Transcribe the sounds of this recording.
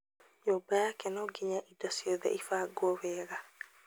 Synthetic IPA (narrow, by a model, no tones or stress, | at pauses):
jobajakɛnɔɡɪɲaʔidasiɔðɛ̰ʔifaɡwɔwɛːɾa